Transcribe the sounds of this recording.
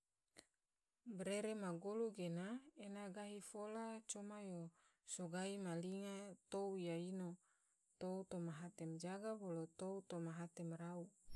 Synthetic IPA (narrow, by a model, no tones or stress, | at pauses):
bɾeɾemaɡoluɡenaenaɡaɦifolat͡ʃomajo | soɡaimaliŋat̪oujaino | t̪out̪omaɦat̪ɛmd͡ʒaɡabolot̪out̪omaɦat̪ɛmrau